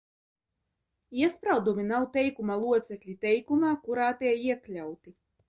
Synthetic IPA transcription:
iɛspɾawd̪umʲinawt̪ɛjkumalˠuɔt̪sɛklʲit̪ɛjkumaːkuɾaːt̪ɛiɛklʲawt̪i

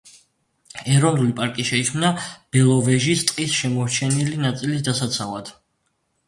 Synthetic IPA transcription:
ɛɾɔnulipʼaɾkʼiʃɛikʰmnab̥ɛlˠɔvɛʒist̪ʼqʼisʃɛmɔɾt͡ʃʰɛnilinat̪sʼilisd̪asat̪sʰavad̪̥

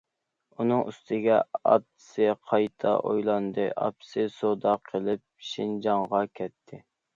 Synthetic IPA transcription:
unɨŋʔyst̪ʰɪɡʲɛɑ̰t̪ːɨ̥sɨqʰɑjt̪ʰɑ̰ʔojlˠɑnd̪ɨ̰ʔɑ̰psɨsod̪ɑqʰəlˠɪp̚ʃind͡ʒɑŋʁɑkʲʰɛt̪ʰːɪ

